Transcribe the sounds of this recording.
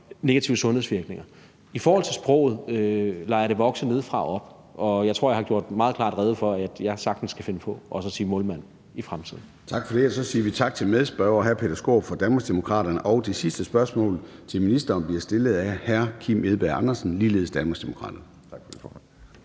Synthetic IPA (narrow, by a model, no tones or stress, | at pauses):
ne̝ɡ̥æt͡sʰiʊəsɔ̽nhḛsʋiɐɡ̥ne̝ŋɐ | ifɒːhɒ̽l̰t͡sʰe̝lsb̥ʁɔ̽ʊ̰ð̩ˠlɑ̈jɑɾ̥e̝ʋɒ̽ɡ̥səne̝ð̞̰ˠfʁɑ̈ɒ̽b̥ | ʔɒ̽jɑ̈ɪt͡sʰʁo̝ɐ̰jɑ̈hɑɡ̥jo̝̰ɐ̰d̥mɑ̈ːðˠkʰlɑ̰̈ːdʁɛːðˠəfɒ̽ææ̥jɑ̈sɑ̈ɡ̥d̥n̩sɡ̥ʰæfe̝nəpʰɒ̽ʔɒ̽sɒ̽siːmɔ̽lmæn̰ | ifʁamt͡sʰið̞̰ˠn̩ | t͡sʰɑ̈ɡ̥fɒd̥e̝æsɒ̽siːɐʋit͡sʰɑ̈ɡ̥̚t͡sʰe̝lmeðˠsb̥œʊɒɦæɐpʰe̝dɐsɡ̥o̝̰ːb̥fɒd̥ænb̥ɑsd̥e̝mo̝kʰʁɑ̰̈ːɾ̥ɐnəʔɒʊd̥esisd̥əsb̥ɶɐsmɔ̰̽ːlt͡sʰe̝lminisd̥ɐːnb̥liɐsd̥e̝ləð̩ˠæhæɐkʰimeðˠb̥æɐɑ̈nɐsn̩liːle̝ːð̞̩ˠsd̥ænbɑsd̥e̝mo̝kʰʁɑ̰̈ːd̥ɐnə